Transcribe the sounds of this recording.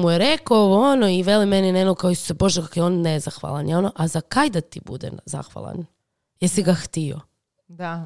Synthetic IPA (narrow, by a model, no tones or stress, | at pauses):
mujeɾekooʋoonoiʋe̞limeninenokaoisu̥sebo̞ʒekakojeonːezaxʋa̰lˠanjo̞noʔazakajd̪at̪ḭbṵd̪ḛnza̰xʋa̰lˠa̰n | jeɾsiɡaxt̪io̰ | d̪a